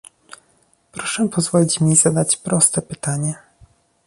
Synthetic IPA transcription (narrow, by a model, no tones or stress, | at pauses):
pɾɔʂɛpɔzvɔlʲit͡ɕmʲizad̪at͡ɕpɾɔst̪ɛpɘt̪aɲɛ